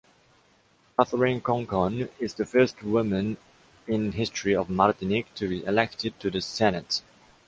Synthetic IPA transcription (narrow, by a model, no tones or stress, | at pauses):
kaθəɹĩnkʰɔ̃ŋkʰɔ̃nɪzðəfɜˑ˞stwʊmə̃n | ɪ̃nɦɪstɹ̥iɔvmaɹtɪnɪk̚tʰɨbiʔɪlɛk̚tʰɪd̚tʰɨðəsɛnət